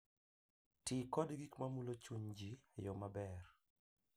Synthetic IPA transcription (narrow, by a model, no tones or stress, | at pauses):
tɪkɔdɡikmamulot͡ʃuɲd͡ʒijɔmabɛr